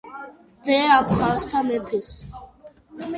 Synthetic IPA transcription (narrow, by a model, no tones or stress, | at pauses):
d͡zɛɾapʰχast̪ʰamɛpʰɛs